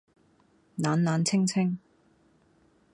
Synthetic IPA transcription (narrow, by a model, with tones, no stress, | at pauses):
naː˨˧nːaː˨˧nt͡sʰɪ˥ŋt͡sʰɪ˥ŋ